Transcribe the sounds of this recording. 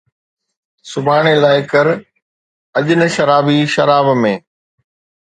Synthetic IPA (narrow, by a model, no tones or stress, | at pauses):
sʊbʱaːɽ̃elaːɪkɐɾ | ɐʄɪnə̆ʃɐɾaːbiʃɐɾaːbmẽː